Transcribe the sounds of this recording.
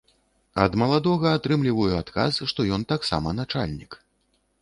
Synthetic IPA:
ɐd̪mɐlˠad̪ɔɣɐːt̪ɾɨmlʲivɐjuat̪ka̰sʂt̪ɔjɔnt̪aksa̰mɐnat͡ʂa̰lʲnʲik

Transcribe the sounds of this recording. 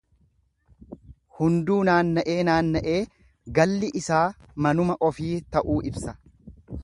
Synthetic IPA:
hʊnd̪uːnaːnːɐʔeːnaːnːɐʔeː | ɡɐlːɪʔɪsaː | mɐnʊmɐʔɔfiːt̪ɐʔuːʔɪbsɐ

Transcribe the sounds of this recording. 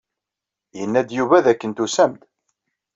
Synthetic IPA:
jənːæd̪juvæðækːənt̪usæmd̪

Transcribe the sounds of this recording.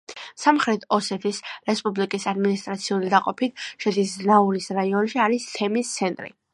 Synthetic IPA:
samχɾɛt̪ʰɔsɛt̪ʰisɾɛspʼublikʼisad̪minist̪ʼɾat̪sʰiulid̪aqʼɔpʰit̪̚ʰʃɛd̪ʰisnauɾisɾaiɔnʃiaɾist̪ʰɛmist̪sʰɛnt̪ʼɾḭ

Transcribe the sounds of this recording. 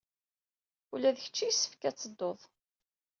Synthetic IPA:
ulæðəçə̥t͡ʃːijsːə̥fkæt͡sːəd̪ːoðˤ

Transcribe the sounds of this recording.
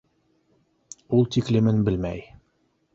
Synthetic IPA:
ulˠt̪iklɘ̆mɘnbɘlmæj

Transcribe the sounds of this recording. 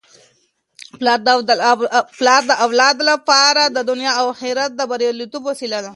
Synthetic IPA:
pl | plɑɾd̪əʔawlɑd̪lapɑɾad̪əd̪ʊnjɑawhiɾat̪̚d̪əbaɾjɑlit̪ubwasilad̪a

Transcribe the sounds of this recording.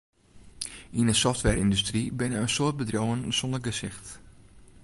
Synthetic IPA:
ʔinəsɔftʋɛrindystribɪnəənsoːt̚bədrowənsɔndərɡəsɪxt

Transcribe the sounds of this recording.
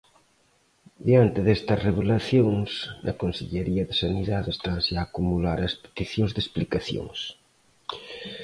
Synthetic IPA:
d̪jant̪eðest̪ɐsreβ̞elaθjoŋsnɐ̰konseʎeɾiɐðesaniðaðest̪ɾanzaːkumulaɾɐspe̥t̪iθjoŋzðesplikaθjo̰ŋs

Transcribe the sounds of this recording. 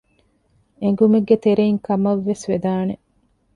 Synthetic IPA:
eŋ̆ɡumeɡːet̪eɾeiŋkɐmɐʋːesʋed̪aːne

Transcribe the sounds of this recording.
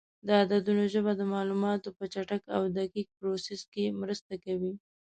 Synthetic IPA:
d̪əad̪ad̪unoʒəbad̪əmɑlumɑt̪opət͡ʃaʈakawd̪aqik̚pɾoseskemɾəst̪akawi

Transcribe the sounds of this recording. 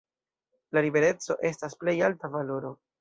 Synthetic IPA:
lalibe̞ɾe̞t͡so̞ʔe̞stasple̞jaltavalo̞ɾo̞

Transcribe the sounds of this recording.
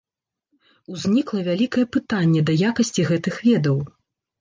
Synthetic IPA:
uzʲnʲiklˠɐvʲalʲikɐjɛpɨt̪anʲːɛd̪ɐjakɐsʲt͡sʲiɣɛt̪ɨxvʲɛd̪ɐw

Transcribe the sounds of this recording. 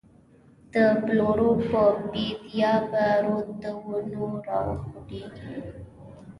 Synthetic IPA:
d̪̥əbloɾopəbibijɑbaɾod̪əwunoɾɑ̰ə̰xd̪i

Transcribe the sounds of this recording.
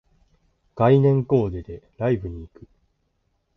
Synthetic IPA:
ɡ̥ainẽ̞ŋko̞ːd̪ed̪e̞ɾaibɯ̟ɲ̟iːkɯ̟̥

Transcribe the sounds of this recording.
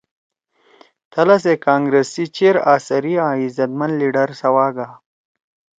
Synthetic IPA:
t̪ʰəlas̬ekaːŋɡɾesit͡ʃeɾaːsaɾiãizɐt̪manliɖaɾsɐwɑːɡa

